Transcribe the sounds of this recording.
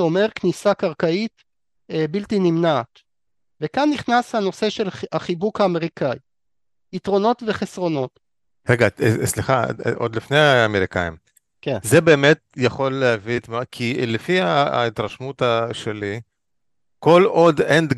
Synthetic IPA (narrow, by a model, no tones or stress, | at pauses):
o̞me̞ʁknisakaʁkait̪ | ebilt̪inimnaːt | vekanːiχnashano̞se̞ʃelhaχibukhaːme̞ʁikʰaj | it̪ʁo̞no̞t̪ve̞χesʁo̞no̞t | ʁeɡasliχa̰ʔod̪lifnejaːmeʁikaim | kzebe̞ːmet̪̚jaχo̞lːeavit̪makʰilefia̰it̪ʁaʃmut̪aʃeli | ko̞lo̞d̪end̪